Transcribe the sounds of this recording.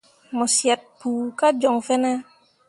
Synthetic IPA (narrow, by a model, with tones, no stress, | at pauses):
mɔ˨sja˨t̚puː˨ka˦d͡ʒɔ˨ŋfɛ˦nɛ˦